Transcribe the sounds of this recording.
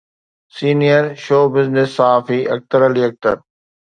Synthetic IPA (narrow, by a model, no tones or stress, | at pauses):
siːnijəɾʃoːbɪznɪsːaɦaːfiʔɐ̰k̚t̪əɾəliɐk̚t̪ə̰ɾ